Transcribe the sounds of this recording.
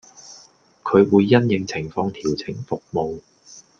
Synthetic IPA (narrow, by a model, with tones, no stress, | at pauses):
kʰɵ˨˧ɥwuː˨˧jːɐ˥njɪ˨˧ŋt͡sʰɪ˨˩ŋfɔː˧ŋt̪ʰiː˨˩wt͡sʰɪ˨˩ŋfʊ˨k̚mo˨˧w